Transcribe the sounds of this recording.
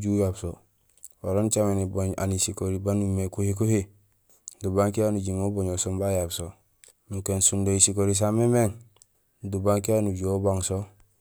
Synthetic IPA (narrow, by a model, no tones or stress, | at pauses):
ɟujabso | oɾont͡ʃameniboɲa̰nisikoɾibanumekuhik̬uhi | dubaŋkianuɟimoboɲosombajabso | nukensundoisikoɾis̬amemeŋ | dubaŋkianuɟuobaŋso